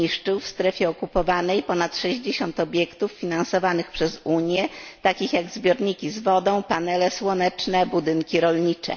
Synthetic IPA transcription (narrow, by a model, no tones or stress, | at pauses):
iʂt͡ʂɘwfst̪ɾɛfʲjɛɔkupɔvanɛjpɔnat̪ʂɛʑd͡ʑeɕɔnt̪ɔbʲjɛkt̪ufːʲinansɔvanɘxpʂɛzuɲjɛt̪akʲixjaɡzbʲjɔɾɲikʲizvɔd̪ɔ̃w̃panɛlɛswɔnɛt͡ʂnɛbud̪ɘŋkʲiɾɔlɲit͡ʂɛ̰